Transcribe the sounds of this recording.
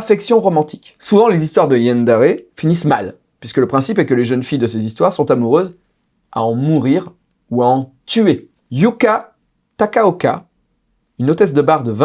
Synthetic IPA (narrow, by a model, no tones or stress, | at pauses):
fɛksjɔ̃ʁɔmɑ̃t̪ʰi̥ksuvɑ̃lezist̪waʁd̪əjɛnd̪aʁefinismal | pɥiskələpχɛ̃sipɛkəleʒənfijd̪əsezist̪waʁsɔ̃t̪amuʁøz | a̰ɑ̃muʁiʁ | uaɑ̃ | t̪ye | juka | t̪akaoka̰ | ynot̪ɛs̬d̪əbaʁd̪əvɛ̃